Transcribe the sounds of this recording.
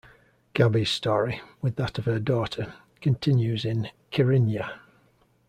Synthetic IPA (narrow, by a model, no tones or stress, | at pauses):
ɡ̥abiz̥stɔːɹiwɪðətəv̥ədɔˑtʰə | kʰə̃ntʰɪ̃njʉzɪ̃nkʰəɹɪ̃njə